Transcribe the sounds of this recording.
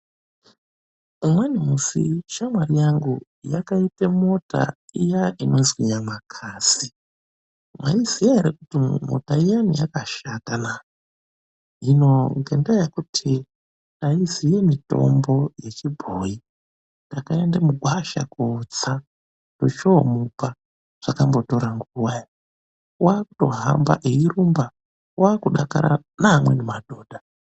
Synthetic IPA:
umwenimusḭʃamwarijaŋɡu | jakaitemo̞ta̰ijaʔino̞zwiɲamakʰasi | mwa̰izijaeɾekutimo̰taijanḭjakaʃatana | ino̞ŋɡendajakutʰi | naizijemito̞̰mbo̞je̞t͡ʃibʱoji | ndakaendamuɡʱwaʃa̰kut͡sa | dot͡ʃoːmupa | ʐ̥akambo̞to̞ɾaŋɡuwaj | waːkuto̞̰ɦa̰mba̰ʔeiɾumba | waːkuɗaka̰ɾa̰ | namwe̞nemadʱoːdʱa

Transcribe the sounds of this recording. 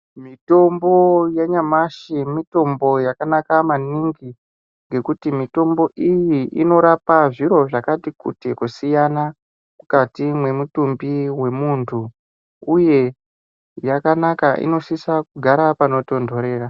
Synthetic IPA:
mito̞mbo̞jaɲamaʃimito̞mbo̞jakanakamaniŋɡi | ŋɡe̞kutimito̞mbo̞ʔijiino̞ɾapaʐiɾo̞ʐakatikṵtekusijana | kukatimwe̞mutumbiwe̞muntʰu | uje̞ | jakanakaʔḭno̞sisakuɡʱaɾapano̞to̞ndʱo̞ɾe̞ːra

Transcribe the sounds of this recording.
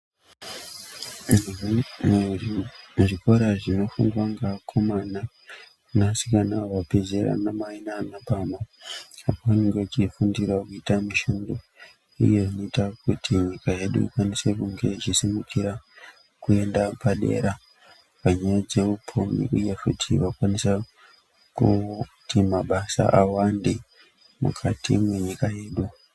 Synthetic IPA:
ʐiko̞ɾaʐino̞fundwaŋɡakʰo̞mana | nasikanaʋape̞zeɾa̰namainanaɓamaapoʋaneŋɡet͡ʃifundirwakuitamiʃundo̞ | ṵje̞ʐino̞itakutiɲikaje̞ɗṵikwanise̞kuŋɡe̞ʐisimukʰiɾa | kue̞ndapaɗe̞̰ɾa | paɲajad͡ze̞upʰumḭʔujekutʰiʋakwanisa | kutʰimaɓasa̰ʔawande | mṵkʰatʰḭmweɲikaje̞ːɗu

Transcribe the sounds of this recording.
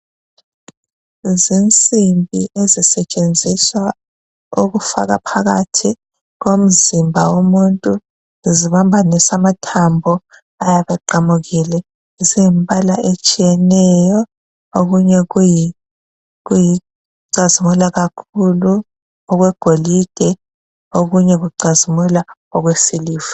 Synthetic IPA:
zint͡sʼimbʱiʔezisɛt͡ʃʼend͡zʱiswa | uɣufa̰ɣa̰pʰaɣa̰tʰi | ɣom̩zimbʱawomuntʼu | ziβambʱanisamatʰambʱɔ | ajaβɛǃamuɣilɛ | zimpʼalaʔet͡ʃʼijɛnɛjɔ | oɣuɲɛɣuji | ɣuji | ǀazimulaɣakʰulu | ɔɣwɛɡ̥ʱolid̥ʱɛ | oɣuɲɛɣuǀazimulaɔɣwesiliːfu̥

